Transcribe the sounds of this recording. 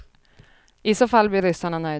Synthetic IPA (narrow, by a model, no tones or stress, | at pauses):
ɪsoːfalːblɪɾʏsaɳanœʏ